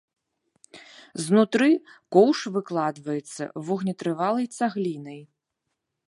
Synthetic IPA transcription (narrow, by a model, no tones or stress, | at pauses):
znut̪ɾɨkɔwʂvɨklˠad̪vɐjɛt̪sːɐ̰vuɣnʲɛt̪ɾɨvalˠɐjt̪saɣlʲinɐj